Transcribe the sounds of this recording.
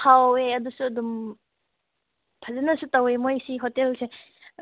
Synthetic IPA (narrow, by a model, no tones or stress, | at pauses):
kʰaweɐdusuɐdum | pʰazanɐsutawemojsiɦotelse